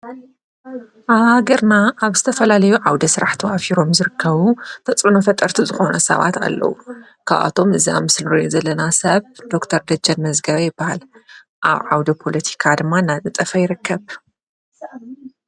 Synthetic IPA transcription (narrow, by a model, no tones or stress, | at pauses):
ʔaβhaɡɐɾnaʔːβz̥ɨt̪ʰɐfɐlalɐjuʕawd̪ɐsɨɾaħt̪ʰɐwafiɾo̞mzɨɾɨkʰːɐβut̪ʰɐt͡sʼunɐfɐt̪ʼːɐɾt̪ʰuzɨxo̞nɐsɐ̰βa̰t̪a̰lːɐ̰wu | kʰa̰βʔa̰t̪ʰo̞mɨzia̰mɨsɨlɨɾijzɐlːɐnasɐβd̪̥o̞kt̪ʰɐɾd̪ɐd͡ʒɐnmɐzɡɐβɐjɪbːahal | ʔa̰βʕawd̪ɐpʰo̞lɐt̪ʰi̥kʰad̪ɨmːanad̪ɨt̪ʼɐfɐjɪɾɨkʰːɐβ